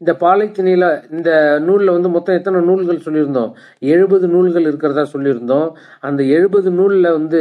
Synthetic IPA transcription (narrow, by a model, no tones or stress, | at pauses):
ɪnd̪ɐpaːlɐɪt̪ːɪnɐjɪlaɪnd̪ɐnuːɭɪlɐʋɐnd̪ɯmɔt̪ːɔ̃ɛt̪ːɐnɐnuːɭɣɐɭsɔlːɪɾɯnd̪õ̰ː | ɛɻɯbɐðɯnuːɭɣɐɭɪɾɯkːɪɾɐðãːsɔlːɪɾɯnd̪õː | ɐnd̪ɐɛɻɯbɐðɯnuːɭɪlɐʋɐnd̪ɯ